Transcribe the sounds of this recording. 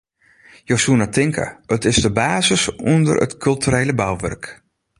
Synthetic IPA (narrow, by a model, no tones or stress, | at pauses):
jowsuənatʰɪŋkʰə̰ətɪzdəbaːzəsundə̰rə̰tkʰɵlˠtʰyɾeːləbawʋø̰rk